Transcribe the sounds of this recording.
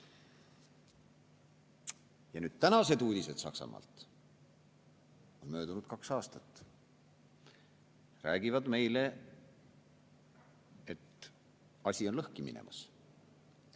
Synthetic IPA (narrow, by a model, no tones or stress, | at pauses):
jɑnyːd̪̥̚t̪ænɑse̞d̪uːd̪ise̞d̪̥sɑ̰ksɑ̰mɑ̰ːlt̪ˑ | o̞nmø̞ːd̪unud̪̥̚kɑksɑːst̪ɑt̪ːˑ | ræːɡ̥ivɑd̪̥me̞jle̞ | et̪ | ɑsʲio̞nlɤhkimḭnḛmʔɑ̰s